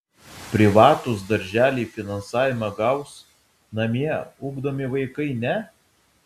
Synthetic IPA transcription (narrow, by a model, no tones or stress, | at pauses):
pʲɾʲɪʋɑːt̪ʊs̬d̪ɐɾʲʒʲæːlʲiːfʲɪnɐnsɑːʋʲɪmɐɡɐʊs | nɐmʲiɛʊːɡd̪omʲɪʋɐɪkɐɪnʲɛ